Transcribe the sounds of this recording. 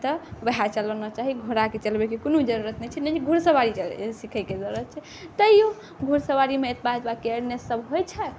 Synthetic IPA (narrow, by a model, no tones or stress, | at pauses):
t̪ɔbəɦat͡ʃələnɔt͡ʃaɦiɡʱoɾaket͡ʃəlbekekonud͡ʒəɾuɾət̪nɛt͡ʃʰɛnɛt͡ʃɡʱuɾsəʋaɾit͡ʃsikʰəjked͡ʒəɾuɾət̪̚t͡ʃʰɛ | t̪əijo | ɡʱuɾsəwaɾimeet̪ʰbad͡ʒbakeəɽnesəbɦojt͡ʃʰɛ